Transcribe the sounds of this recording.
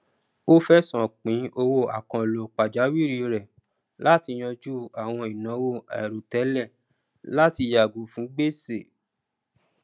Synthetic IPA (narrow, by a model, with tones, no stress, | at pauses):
o˦fɛ˦sã˨k͡pĩ˨˦o˧wo˦˨a˨kã˧˨lo˨k͡pa˨d͡ʒa˨˦wi˦˨ɾi˧ɾɛ˨ | la˦ti˧j̃ɔ̃˧d͡ʒu˦a˨w̃ɔ̃˧i˨nã˨˦wo˦˨ɛ̰˨ɾu˨tɛ˨˦lɛ˦˨ | la˦ti˧ja˨ɡu˨˦fũ˨˦ɡ͡be˦se˦˨